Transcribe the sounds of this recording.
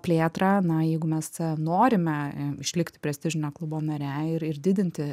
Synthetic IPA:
pʲlʲeːt̪rɑːnɐjɛɪɡʊmʲɛsnoːɾʲɪmʲɛɪʃʲlʲɪkt̪ʲɪ̥pʲɾʲɛsʲt̪ʲɪʒʲɪnʲoːklˠʊboːnɐɾʲɛɪɾɪrd̪ʲɪd̪ʲɪnʲt̪ʲɪ

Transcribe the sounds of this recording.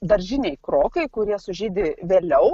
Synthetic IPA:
d̪ɐɾʲʒʲɪnʲɛɪkɾoːkɐɪkʊɾʲiɛsʊʒʲiːd̪ʲɪʋʲeːlʲɛʊ

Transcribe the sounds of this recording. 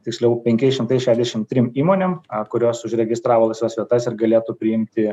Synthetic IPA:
t̪ʲɪksʲlʲɛʊpʲɛŋʲkʲɛɪsʃʲɪmt̪ɐɪsʃʲæːʒʲd̪ʲɛʃʲɪmt̪ʲɾʲɪmiːmoːnʲeːmkʊɾʲoːsʊʒɾʲɛɡʲɪst̪ɾɑːʋoːlˠɐɪsʲʋʲɛsʋʲiɛt̪ɐsɪrɡɐlʲeːt̪upʲɾʲɪɪmʲt̪ʲɪ

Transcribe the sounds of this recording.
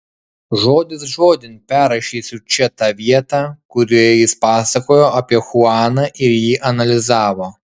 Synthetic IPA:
ʒoːd̪ʲɪsʒoːd̪ʲɪnʲpʲæːɾɐʃʲiːsʲʊt͡ʃʲɛt̪ɑʋʲiɛt̪ɐkʊɾʲijɪspɑːsɐkoːjoːʔɐpʲiɛxʊɑːnɐʔɪɾjiːʔɐnɐlʲɪzɑːʋoː

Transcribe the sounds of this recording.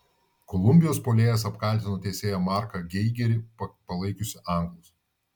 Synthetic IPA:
kɔlˠʊmʲbʲɪjoːspoːlʲeːjɛsɐpkɐˑlʲˑt̪ʲɪnoːt̪ʲɛːsʲeːjɛmɑˑɾkɐɡʲɛɪɡʲɛɾʲɪpɐpɐlˠɐɪkʊsʲɪʔɑˑŋˑɡlˠʊs

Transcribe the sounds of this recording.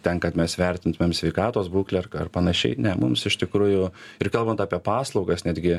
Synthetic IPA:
t̪ʲɛnkɐt̪mʲɛsʋʲɛɾʲt̪ʲɪnt̪ʊmʲeːmsʲʋʲɛɪkɑːt̪oːsbuːklʲɛɐrkɐrpɐnɐʃʲɛ̰ɪnʲɛmʊ̰msɪʃt̪ʲɪkɾuːjʊɪɾkɐlˠbɐnt̪ɑːpʲiɛpɑːslˠɒʊɡɐsnʲæːd̪ʲɡʲɪ

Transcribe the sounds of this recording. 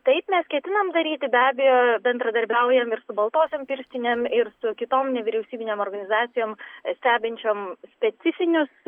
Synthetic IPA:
t̪ɐɪpmʲɛskʲɛt̪ʲɪnɐmd̪ɐɾʲiːt̪ʲɪbʲæːbʲɛjoːbʲɛnd̪ɾɐd̪ɐɾʲbʲɛʊjɛmɪɾsʊbɐlˠt̪oːsʲompʲɪɾʲsʲt̪ʲɪnʲemɪɾsʊkʲɪt̪oːmnʲɛʋʲɪɾʲɛʊsʲiːbʲɪnʲeːmoːrɡɐnʲɪzɑːt̪sʲɪjoːmsʲt̪ʲæːbʲɪnʲt͡ʃʲoːmsʲpʲɛɪfʲɪnʲʊs

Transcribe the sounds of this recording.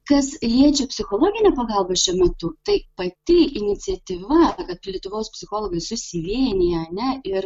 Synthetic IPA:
kɐslʲiɛt͡ʃʲɛpʲsʲɪxoːlˠoːɡʲɪnʲɛpɐɡɐlˠbɐʃʲɛmʲɛt̪ʊt̪ɐɪpɐt̪ʲɪɪnʲɪt̪sʲɛt̪ʲiʋɐkɐt̪̚lʲiɛt̪ʊʋoːspʲsʲɪxoːlˠoːɡɐɪsʊsʲɪʋʲiɛnʲɪjɛɐnʲɛɪr

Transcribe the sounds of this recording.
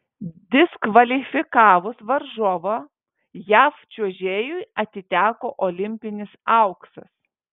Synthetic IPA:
d̪ʲɪskʋɐlʲɪfʲɪkɑːʋʊsʋɐɾʒoʋo | jæːft͡ʃʲuɔʒʲeːjʊɪɐt̪ʲɪt̪ʲæːkoːʔoːlʲɪmʲpʲɪnʲɪsɐʊksɐs

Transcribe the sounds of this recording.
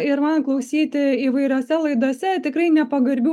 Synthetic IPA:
ɪɾmɐnklˠɐʊsʲiːt̪ʲɪiːʋɐɪɾʲoːsʲɛlˠɐɪd̪oːsʲɛt̪ʲɪkrɐɪnʲɛpɐɡɐɾʲbʲu

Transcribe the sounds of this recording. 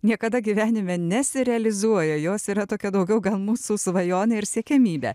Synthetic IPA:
nʲiɛkɐd̪ɐɡʲiʋʲæːnʲɪmʲɛnʲɛsʲɪɾʲɛɐlʲɪzuɔjɛjoːsiːɾɐt̪oːkʲɛd̪ɐʊɡʲɛʊɡɐlˠmuːsusʊʋɐjoːneɪɾsʲiɛkʲɛmʲiːbʲɛ̰

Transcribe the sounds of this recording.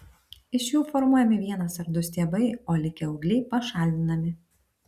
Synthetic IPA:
ɪʃjuːfɔɾmuɔjɛmʲɪʋʲiɛnɐsɐɾd̪ʊsʲt̪ʲiɛbɐɪoːlʲɪkʲɛɔʊɡlʲɛɪpɐʃɑːˑlʲd̪ʲɪnɐmʲɪ

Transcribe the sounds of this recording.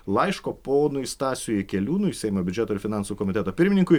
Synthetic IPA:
lˠɐɪʃkoːpoːnʊɪst̪ɑːsʲʊːjɛkʲɛlʲuːnʊɪsʲɛɪmoːbʲʊd͡ʒʲɛt̪oɪɾfʲɪnɑnsuːkɔmʲɪt̪ʲɛt̪oːpʲɪɾʲmʲɪnʲɪŋkʊɪ

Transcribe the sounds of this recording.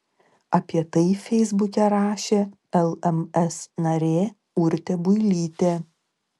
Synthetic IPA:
ɐpʲiɛt̪ɐɪfʲɛɪzbʊkʲɛɾɑːʃʲeː | ɛlˠɛmɛsnɐɾʲeː | ʊɾʲt̪ʲɛbʊɪlʲiːt̪ʲeː

